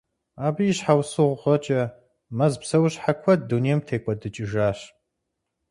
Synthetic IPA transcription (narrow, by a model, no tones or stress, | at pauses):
aːbijɕħawsɨʁʷʊʁɐt͡ʃʼɐ | mɐzpsɐwɕħakʷʰɐt̚duneːmtʰeːkʷʼɐdɨt͡ʃʼɪʒaːɕ